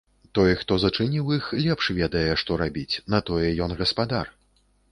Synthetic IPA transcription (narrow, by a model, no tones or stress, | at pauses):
t̪ɔjɛxt̪ɔzɐt͡ʂɨnʲiwixlʲɛpʂvʲɛd̪ɐjɛʂt̪ɔɾabʲit͡sʲnɐt̪ɔjɛjɔnɣɐspad̪ar